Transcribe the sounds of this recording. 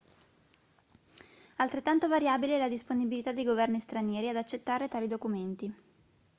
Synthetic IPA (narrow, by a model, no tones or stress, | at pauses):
alt̪ɾet̪ːant̪ovaɾjaːbilelad̪isponibilit̪ad̪ejɡovɛrnist̪ɾanjɛːɾiad̪at͡ʃːet̪ːaːɾet̪aːlid̪okument̪i